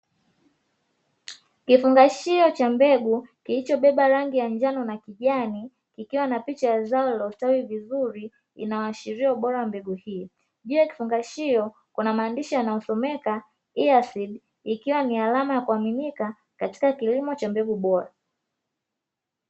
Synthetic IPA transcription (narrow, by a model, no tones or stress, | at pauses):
kifuŋɡaʃiɔt͡ʃambɛɡukilit͡ʃɔɓɛɓaɾaŋɡijaɲd͡ʒanɔnakiʄani | kikiwanapit͡ʃajazaɔlaustaiivizuɾi | ḭnawaaʃiɾiauɓɔɾawambɛɡuhiː | ʄuaki̥fuŋɡaʃiɔ | kunamaːndiʃijanajɔsɔmɛka | iasiɗ | ikiwanialamajakuaminika | kati̥kakilimɔt͡ʃambɛɡuɓɔɾa